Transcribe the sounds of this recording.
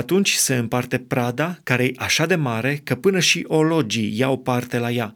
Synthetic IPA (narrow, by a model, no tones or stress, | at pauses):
at̪unt͡ʃʲse̞ɨmpart̪e̞pɾad̪akaɾe̞jʔaʃad̪e̞maɾe̞kəpɨnəʃiʔo̞lo̞d͡ʒijawpart̪e̞laja